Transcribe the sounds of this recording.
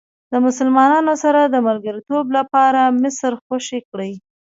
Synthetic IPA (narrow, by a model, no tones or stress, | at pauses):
ləmʊsəlmɑnɑnosaɾad̪əmaɾɡaɾit̪oblapɑɾamɪsɾxaʃekɽəj